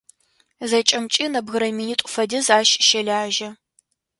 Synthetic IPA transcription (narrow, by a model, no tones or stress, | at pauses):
zɐt͡ʃʼɐmt͡ʃʼinɐbɣɨɾɐminiːtʷʼʊfɐdɨzaːʃʼʃɐɮʲaːʒɐ